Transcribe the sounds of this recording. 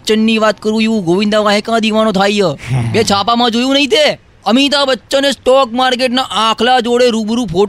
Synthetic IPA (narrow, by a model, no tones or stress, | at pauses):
t͡ʃənːiʋat̪kəɾũiʋũɡoʋɪ̃nd̪aʋãɦẽkãd̪iʋanõt̪ʰaijəbet͡ʃʰapamãd͡ʒojũnəɦĩt̪̬e | əmit̪̬abətːt͡ʃənesʈɔkmaɾk̬eʈ̬naʔãkʰlad͡ʒoɽeɾubɾũpʰo